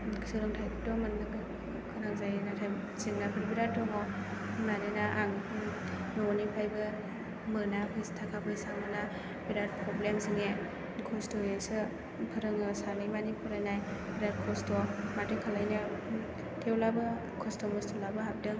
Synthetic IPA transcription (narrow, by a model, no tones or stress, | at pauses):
kʰsɯɾɯŋtʰajtɔmɯn | kʰɯnaŋzajnatʰa | zɯŋnapʰɯɾbiɾatʰɔŋɔmanɯnaʔaŋ | nɔnipʰajbɯ | mɯnapʰɯstʰakʰapʰɯsaŋɯna | biɾaɾ̚pʰɾɔblemzɯŋe | kʰɔstɔjejsɯ | pʰɯɾɯŋɯsanɯjmanipʰuɾajnajbiɾaɾ̚kʰɔstɔmatɯkʰalajnɯ | tʰewlabɯ | kʰɔstɔmɯstʰɔlabɯɦap̚dɯŋ